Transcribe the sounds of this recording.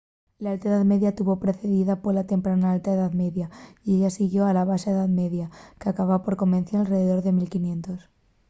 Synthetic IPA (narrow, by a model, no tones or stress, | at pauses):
laalt̪aeðaðme̞ðjat̪uβo̞pɾe̞θe̞ðiðapolat̪e̞mpɾanaalt̪aeðaðme̞ðjaieʎasiɣjo̞alaβ̞asaeðaðme̞ðjakeakaβapo̞ɾko̞mẽnθjaalre̞ðe̞ðo̞ɾðe̞milkinjẽ̞nt̪o̞s